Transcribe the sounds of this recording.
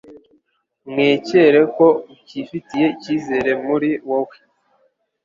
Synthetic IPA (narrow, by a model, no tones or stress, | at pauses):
mŋeːce̞ɾe̞ko̞ciːfitije̞iciːze̞ɾe̞muɾiwowe